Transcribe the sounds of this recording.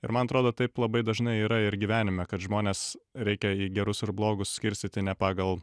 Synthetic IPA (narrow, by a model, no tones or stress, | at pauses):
ɪ̰ɾmɐnɐt̪ɾoːd̪oːt̪ɐɪplˠɐbɐɪd̪ɐʒnɐɪiːɾɐɪɾɡʲiːʋʲæːnʲɪmʲɛkɐt̪ʒmoːnʲeːsɾʲɛɪkʲɛiːɡʲɛɾʊsɪɾblˠoːɡʊssʲkʲɪɾʲsʲt̪ʲɪt̪ʲɪnʲɛpɑːɡɐlˠ